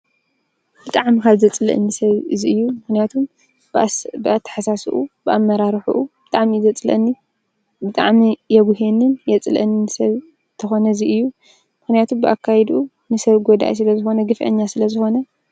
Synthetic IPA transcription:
b̥ɨt̪ʼaʕmikaβzɐt͡sʼlɐ̰ʔɨ̰nːɨsɐβɨziɨjːumɨxnijat̪ʰum | bɨat̪ʰːɐ̥ħasasuʔubɨʔamːɐɾaɾħṵʔubɨt̪ʼaʕmizɐt͡sʼlɐ̰nːi | bɨt̪ʼa̰ʕmijɛɡuɦenɨnjɛt͡sʼlɐ̰ʔnnɨsɐβ | t̪ʰɐxo̞nɐziʔɨjːu | mɨxnijat̪ʰumbɨʔakʰːajɛd̪ʔu | nɨsɐβɡod̪a̰ʔjs̬ɨlɐzɨxo̞nɐɡɨfʔɐ̰ɲːasɨlɐzɨxo̞nɐ

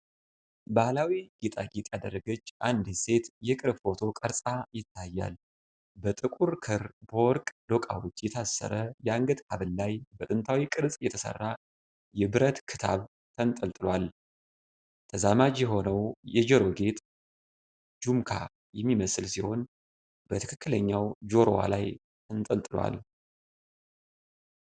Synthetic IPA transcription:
bahlawiɡet̪ʼa̰ɡet̪ʼjad̪ərːəɡət͡ʃːʔand̪se̞t̪jɛkʼɨɾffo̞t̪ʰo̞kʼəɾsʼajɪt̪ʰːajːa̰l | bət̪ʼɨkʼuɾkʰɨɾbowɔɾkʼd̪o̞kʼa̰wot͡ʃ̪ːjɛt̪ʰasːə̰ɾəjɛaŋɡət̪kʰaβɨlːajbət̪ʼɨnt̪ʰawikʼɨɾsʼjɛt̪ʰəsə̰rːa | jɛbɨɾət̪kʰɨt̪ʰaβ | t̪ʰənt̪ʼəlt̪ʼɨlwal | t̪ʰəzamad͡ʒjɛɦo̞nəwjɛd͡ʒɛɾo̞ɡe̞t̪ | d͡ʒumkʰa̰ | jɛmːiməsɨlsiho̞n | bət̪ʰɨkʰɨkːɨləɲːawd͡ʒo̞ɾo̰wa̰laj | t̪ʰɨnt̪ʼəlt̪ʼɨlwa̰l

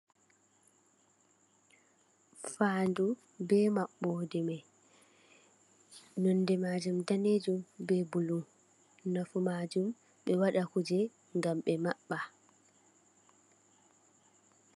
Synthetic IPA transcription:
faːndu | bɛːmaɓːɔdɛmɛ | nɔnːdɛmad͡ʒumdaned͡ʒumbɛbulu | nafumad͡ʒum | ɓɛwaɗakud͡ʒɛ | ŋɡamɓɛmaɓːa

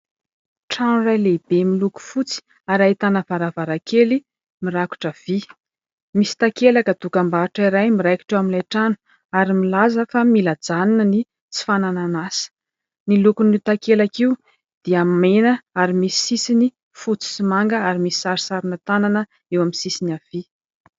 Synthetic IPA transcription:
ʈ͡ʂanrajlebemiluku̥fut͡si̥ | aɾajt̪anavaɾavaɾakʰeli | miɾaku̥ʈ͡ʂəv̥i | misi̥t̪akelakət̪ukambaʈ͡ʂaiɾajmiɾajki̥ʈ͡ʂeamilajʈ͡ʂanu̥ | aɾimilazəfamilad͡zaninəni | t͡si̥fanananasə̥ | nilukunit̪akelakiu | d̪̥iamenəaɾimisi̥sisini | fut͡si̥simaŋɡəaɾimisi̥saɾsaɾinət̪ananə | ewamisisinav̥i

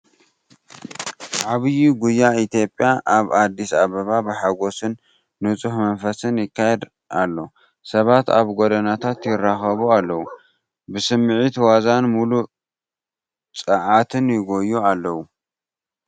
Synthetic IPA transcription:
ʕaβɨjiɡujːait̪jo̞pʼjaʔaβad̪ːisaβɐβabɨħaɡo̞sɨnː | ɨt͡sʼuhmɐnfɐsɨnjɪkʰːajɛd̪ | ʔalːo̞ | sɐβat̪aβɡod̪ɐnat̪ʰat̪jɪrːaxɐβualːɐwu | bɨsɨmːʕit̪wazanmulu | t͡sʼɐʕat̪ʰɨnjɪɡo̞jːualːɐwu

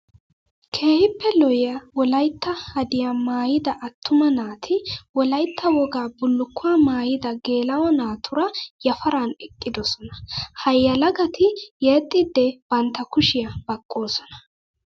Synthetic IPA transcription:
kʰe̞ːhɪpːɛlɔjɪjɐwɔlɐjt̪ːɐhɐd̪ɪjamaːjɪd̪ɐʔɐt̪ːʊmɐnaːt̪ʰɪwɔlɐjt̪ːɐwɔɡaːbʊlːʊkːʊwaːmaːjɪd̪ɐɡe̞ːlɐwɐnaːt̪ʰʊɾɐjɐfɐɾanɛkʼːɪd̪ɔsɔnɐhɐjːɐlɐɡɐt̪ʰɪjeːt̪ʼːɪd̪ːɛb̥ɐnt̪ːɐkʊʃɪjɐbɐkʼːo̞ːsɔnɐ̥

